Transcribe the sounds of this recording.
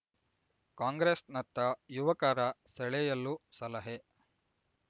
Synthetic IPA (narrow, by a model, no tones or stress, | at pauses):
kaːŋɡɾesnɐt̪ːɐjuʋɐkaːɾɐsɛɭɛjɐlːusɐlɐɦe